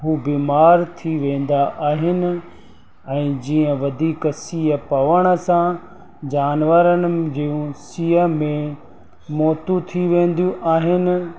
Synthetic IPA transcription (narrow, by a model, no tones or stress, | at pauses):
ɦuːbiːmaːɾt̪ʰiʋẽːn̆d̪aʔaːɦɪnɪ̆ | ɛ̃ːd͡ʑiːə̃ʋɐd̪ʱiːksiːəpɐʋəɽ̃ə̆sã | d͡ʑaːnʋəɾənɪ̆d͡ʑiːũsiːəmẽ | mɔːt̪ut̪ʰiʋẽːn̆d̪jũʔaːɦɪnɪ̆